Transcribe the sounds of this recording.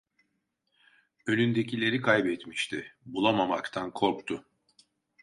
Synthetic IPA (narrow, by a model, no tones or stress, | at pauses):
ø̞nynd̪e̞cilʲe̞ɾikʰajbɛt̪miʃt̪ʰɪbulˠamamakt̪ʰankʰo̞ɾkt̪ʰʊ